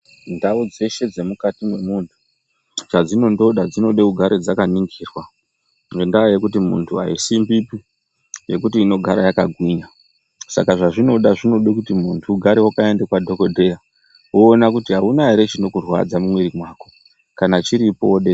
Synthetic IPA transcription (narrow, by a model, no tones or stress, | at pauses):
ndaud͡ze̞ʃe̞d͡ze̞mukatimwe̞muntʰu̥ | t͡ʃad͡zino̞ndo̞ɗad͡zino̞ɗeuɡʱaɾed͡zakaniŋɡiːrwa | ŋendaoje̞k̬ut̬imṵntʰuɦa̰isimbipi | je̞k̬utiːno̞ɡʱaɾajakaɡʱwiɲa | sa̰kaʐaʐino̞ɗaʐino̞ɗekutimuntʰuːɡʱaɾewakae̞ndekwadʱo̞ko̞dʱe̞ja | woːnakutiɦaunaeɾe̞t͡ʃino̞kurwa̰d͡zamumweɾimwaːko̞ | kanat͡ʃiɾipo̞ɗe